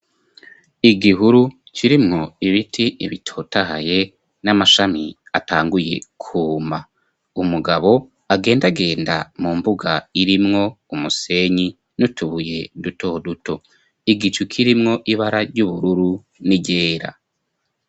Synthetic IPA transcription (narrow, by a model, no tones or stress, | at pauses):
iɡiɦuɾu | cʰiɾimŋo̞iβitʰiiβitʰo̞ːtaɦaje̞ | namaʃami | ataːŋɡuje̞̰kʰuːma | umuɡaβo̞ | aɡe̞ːndaɡe̞ːnda̰muːmbuɡaiɾimŋo̞ | umuse̞ɲi | nutʰuβuje̞duto̞duto̞ | iɡit͡ʃukʰiɾimŋo̞ʔiβaɾaɾɟuβuɾuɾu | niɟe̞ːɾa̰